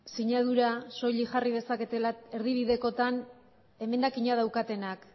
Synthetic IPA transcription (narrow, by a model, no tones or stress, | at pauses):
siɲað̞uɾaso̞ʎiʝarið̞e̞sake̞t̪elae̞ɾðiβ̞iðe̞ko̞t̪an | e̞me̞nd̪akiɲað̞awkat̪e̞nak